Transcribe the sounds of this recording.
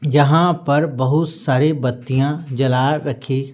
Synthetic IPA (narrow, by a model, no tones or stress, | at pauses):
jɐɦãpɐɾbɐɦʊt̪saːɾebɐt̪ːijãd͡ʒɐlaːɾɐkʰeː